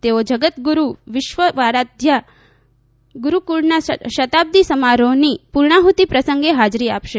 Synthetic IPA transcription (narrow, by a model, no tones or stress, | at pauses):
t̪eod͡ʒəɡət̪ɡuɾuʋɪʃʋəʋaɾad̪ʱja | ɡuɾukuɭnaʃət̪ab̚d̪isəmaɾonipuɾɳaɦut̪ipɾəsəŋɡeɦad͡ʒɾiapʃe